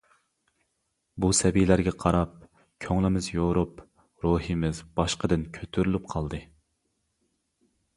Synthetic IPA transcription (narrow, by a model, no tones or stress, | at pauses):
busɛbilæɾɡʲɛqʰɑɾɑp̚ | kʲʰøŋlˠɪmɪzjoɾup | ɾoɦɨmɪzb̥ɑʃqəd̪ɪnkʲʰøt̪ʰyɾylyp̚qʰɑlˠd̪ɨ